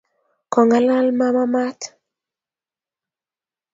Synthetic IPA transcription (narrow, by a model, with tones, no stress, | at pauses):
kɔ˨ŋɡa˦la˦lma˦ma˦ma˦t